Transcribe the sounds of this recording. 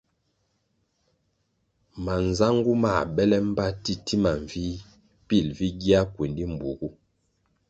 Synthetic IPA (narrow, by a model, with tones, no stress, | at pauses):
ma˨n˨za˦ŋ˦ɡu˦ma˨bɛ˦lɛ˦m̩˦ba˦ti˦ti˦ma˨ɱvi˦ | pi˦˨lvi˦ɡi˦a˦kwe˨ndi˦m˨bu˨ɡu˦